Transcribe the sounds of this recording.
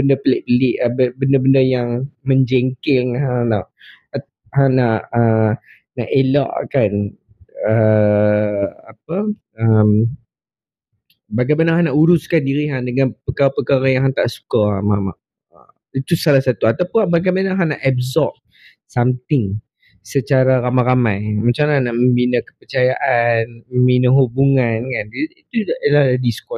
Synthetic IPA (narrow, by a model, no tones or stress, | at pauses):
bəndəpəlɛʔbəlɪʔbəbəndəbəndəjaŋmə̃ɲd͡ʒɛŋkɪlŋɦãnaʔ | hanaʔʔə | naʔela̰ʔkan | ə | ap̚ə | əm | baɡajmanaɦãnaʔuɾʊskandiɾiɦandəŋãnpəkaɾapəkaɣajaɦaŋt̪a̰ʔsu̥kamama̰ʔ | ə | it̪usalahsat̪uat̪awpʊbaɡajmanãŋɦanaʔɛbzɔf | samt̪ɪŋ | sət͡ʃaɾaɾamaɾamajmat͡ʃamnanaʔməmbinə̃kə̥pərt͡ʃajaʔanməmbinəɦubuŋankaniit̪ulahladiskɔ